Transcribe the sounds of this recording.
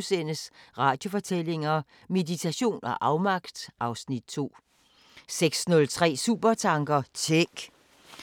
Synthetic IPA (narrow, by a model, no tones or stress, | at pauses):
senəsʁɑ̈ːd̥jo̝fɒ̽t͡sʰele̝ŋɐ | me̝dit͡sʰæɕo̝̰ːnɒ̽ʔɑ̈ʊmɑ̈ɡ̥d̥ʔɑ̈ʊsnid̥̚t͡sʰo̝̰ː | seɡ̥snɔ̽lt͡sʰʁɛ̰ːsṵːb̥ɐt͡sʰɑ̈ŋɡ̥ɐt͡sʰeɡ̥